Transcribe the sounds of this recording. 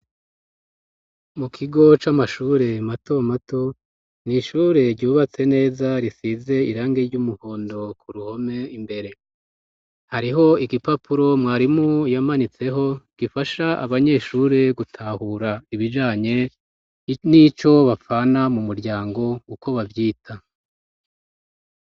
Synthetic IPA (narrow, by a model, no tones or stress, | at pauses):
mukʰiɡo̞t͡ʃamaʃuːɾe̞mato̞mato̞ | niʃuːɾe̞ɾɟuːβat͡se̞ne̞ːzaɾisize̞iɾaːŋɡeɾɟumuho̞ːndo̞kʰuɾuho̞me̞imbe̞ɾe̞ | haɾiɦo̞iɡipapʰuɾo̞mŋwaːɾimujamanit͡se̞ɦo̞ɡ̥ifaʃaʔa̰βaɲe̞ʃuːɾe̞ɡutʰahuɾaiβid͡ʒaːɲe̞ | nit͡ʃo̞βafanamumuɾɟaːŋɡo̞uko̞βavjiːtʰa